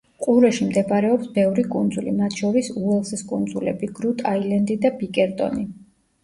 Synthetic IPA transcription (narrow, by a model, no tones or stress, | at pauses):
qʼuɾɛʃimd̪ɛbaɾɛɔpsbɛvɾikʼund̪zulḭmat̪ʰʃɔɾisuɛlˠsɛskʼund̪zulɛ̰biɡɾut̪ʰʼailɛnd̪id̪abikʼɛɾt̪ʼɔ̰ni